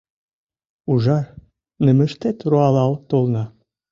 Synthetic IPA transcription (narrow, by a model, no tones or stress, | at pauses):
uʒɑr | nɘ̆mɘ̆ʃt̪et̪ɾoɑlɑlt̪olˠnɑ